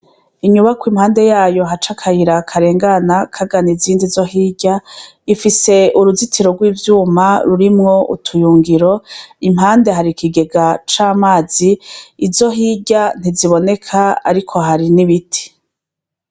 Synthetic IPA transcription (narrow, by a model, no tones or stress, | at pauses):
iɲuβakwimhaːnde̞jaːjo̞ɦat͡ʃakʰajiɾakʰaɾe̞ːŋɡanakʰaɡaniziːndizo̞hiːɟa | ifise̞uɾuzitʰiɾoɡwiːvjuːmaɾuɾimŋo̞ʔṵtʰujuːŋɡiɾo̞im̥ɦaːnde̞ɦaɾikiɡe̞ɡat͡ʃaːmaːz̥iːzo̞ɦiɟan̥iziβo̞ne̞kʰaa̰ɾikʰo̞ɦaɾiniβitʰi̥